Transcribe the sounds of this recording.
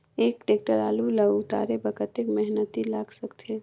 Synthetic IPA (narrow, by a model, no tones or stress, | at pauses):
eːkʈeːk̚ʈəɾaːluləut̪a̰ːɾebəkʰət̪ekmɛɦnət̪ilaːɡsəkt̪ʰe